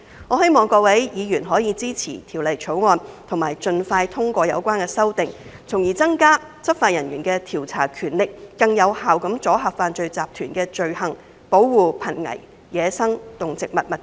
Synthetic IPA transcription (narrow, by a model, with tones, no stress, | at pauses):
ŋɔː˨˧he˥jmɔː˨ŋkɔː˧wɐ˨˥jjiː˨˧jyː˨˩nɦɔː˨˥jiː˧t͡siː˥t͡sʰḭː˨˩t̪ʰiː˨˩wlɐ˨jt͡sʰo˨˥wŋɔː˧nt̪ʰʊ˨˩ŋmaː˨˩jt͡sɵ˨˧nfaː˧jt̪ʰʊ˥ŋkʷɔː˧jɐ̰˨˧wkʷwaː˥nkɛː˧sɐ˥wt̪ɪ˨ŋt͡sʰʊ˨˩ŋjiː˨˩t͡sɐ˥ŋkaː˥ | t͡sʰɐ˥p̚faː˧t̚jɐ˨˩njyː˨˩nkɛː˧t̪ʰiː˨˩wt͡sʰa̰ː˨˩kʰyː˨˩nlɪ˨k̚ːɐ˧ŋjɐ˨˧whaː˨wkɐ˨˥mt͡sɔː˨˥ɦaː˨˩p̚faː˧nt͡sɵ˧ɥt͡saː˨p̚t̪ʰyː˨˩nkɛː˧t͡ʃɵ˨˧ɥhɐ˨˩ŋ | po˨˥wwuː˨˧pʰɐ˨˩nŋɐ̰˨˩j | jɛː˨˧sɐ˥ŋt̪ʊ˨ŋt͡sɪ˨k̚mɐ˨t̚mɐ˨t̚